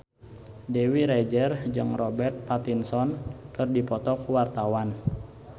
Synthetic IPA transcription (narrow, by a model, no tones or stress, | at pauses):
dewiɾed͡ʒərd͡ʒɨŋrɔbɛrt̪̚pat̪insɔnkɨrdipɔt̪ɔkuwart̪awan